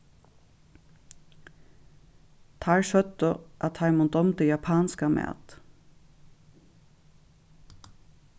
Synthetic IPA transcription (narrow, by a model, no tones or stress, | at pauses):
t̪ʰaːɹʃœt̪əʔat̪ʰːajmʊnd̪ɔmt̪əjapʰaːnskamɛ̰ːt̪